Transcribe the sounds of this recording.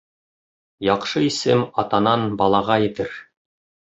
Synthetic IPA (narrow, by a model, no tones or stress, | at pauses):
jɑqʃɤisɘmɑt̪ɑnɑnbɑlˠɑʁɑjɘ̆t̪ɘɾ